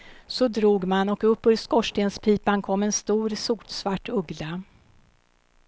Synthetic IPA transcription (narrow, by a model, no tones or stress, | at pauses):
sɔd̪ɾuːɡmanɔkɵpːɵɾskɔʂʈeːnspʰiːpankʰɔmːɛnst̪uːɾsuːʈsvaʈːɵɡla